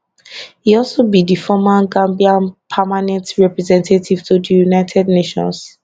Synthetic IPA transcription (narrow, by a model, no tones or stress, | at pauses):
hiɔlsobidifɔmãnɡãmbiãnpʰamanɛ̃ntɹɛpɹɛzɛ̃ntʰatʰiv̥tudijunaɪtʰɛdneʃɔ̰̃ns